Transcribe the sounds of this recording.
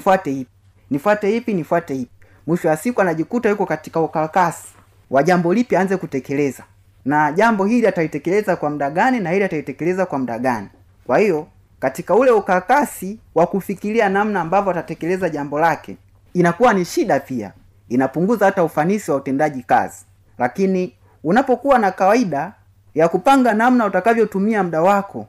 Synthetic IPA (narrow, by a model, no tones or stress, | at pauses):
fwatɛhip̚i | nifwatɛhipinifwatɛhipi̥ | mwiʃɔwasikuanaʄikutajukɔkati̥kaukakasi̥ | waʄambɔlipjaːnzɛkutɛkɛlɛza | naʄambɔɦiliataitɛkɛlɛzakwam̩ɗaɡaninahiliataitɛkɛlɛzakwam̩ɗaɡani | kwahijɔ | katikaulɛukakasiwakufikilianam̩naːmbavɔatatɛkɛlɛzaʄambɔlakɛ̰ | inakuwaniʃiɗapia̰ | inapuŋɡuzahataufanisiwautɛndaʄika̰zi | lakini | unapɔkuwanakawaiɗa | jakupaŋɡanamnautakavjɔtumiam̩ɗawakʰɔ